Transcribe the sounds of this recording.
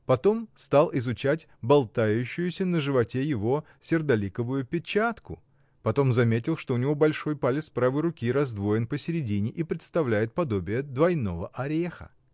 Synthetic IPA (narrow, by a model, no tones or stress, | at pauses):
pɐt̪o̞mst̪alˠɪzʊt͡ɕætʲ | bɐlˠt̪ajʉɕːʊjʊsʲənəʐɨvɐtʲejɪvo̞ | sʲɪrd̪ɐlʲikəvʊjʊpʲɪt͡ɕat̪kʊ̰ | pɐt̪o̞mzɐmʲetʲɪlˠʂt̪o̞ʊnʲɪvo̞bɐlʲʂo̞jpalʲɪt̪spɾavɨjɾʊkʲiɾɐzd̪vo̞jɪnpəsʲɪɾʲɪdʲinʲɪʔipɾʲɪt̪st̪ɐvlʲæjɪt̪̚pɐd̪o̞bʲɪjəd̪vɐjno̞vəʔɐɾʲexə̰